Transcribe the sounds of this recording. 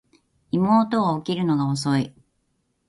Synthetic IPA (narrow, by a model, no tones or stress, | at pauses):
imo̞ːt̪o̞ːkʲiɾɯ̟no̞ɡaos̬o̞i